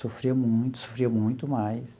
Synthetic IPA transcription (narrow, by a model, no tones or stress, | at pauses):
sofɾiɐmũj̃t̪ʊ̥so̥fɾiɐmũj̃t̪ʊmajs